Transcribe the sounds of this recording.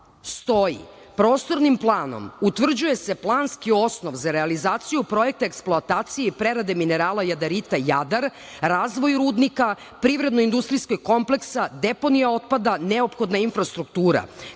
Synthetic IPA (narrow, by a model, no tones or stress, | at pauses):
st̪o̞jḭ | pɾo̞ːst̪o̞ɾnimplˠaːno̞̰mut̪ʋr̩d͡ʑuje̞se̞plˠaːnskio̞snoʋzaɾealizaːt̪sijupɾo̞jek̚t̪aeksplˠoat̪aːt̪sijeipɾeɾad̪emine̞ɾaːlˠajad̪aɾit̪ajad̪aɾ | ɾaːzʋo̞jɾuːd̪nika | pɾiʋɾe̞d̪noind̪ust̪ɾiskoɡko̞mple̞ksad̪epo̞nijao̞t̪̚pad̪aneopxo̞d̪nainfɾast̪ɾuk̚t̪uːɾa̰